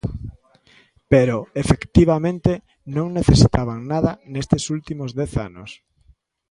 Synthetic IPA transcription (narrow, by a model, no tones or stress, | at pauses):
peɾoefekt̪iβamẽnt̪e | nõŋneθesit̪aβaŋnaðɐnest̪esult̪imozðɛθa̰nʊ̰s